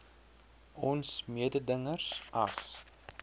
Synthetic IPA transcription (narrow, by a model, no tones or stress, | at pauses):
ɔnsmiədədəŋərsʔɐs